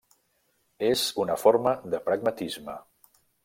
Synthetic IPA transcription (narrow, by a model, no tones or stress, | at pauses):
ezunəfoɾməðəpɾəɡ̚mət̪izmə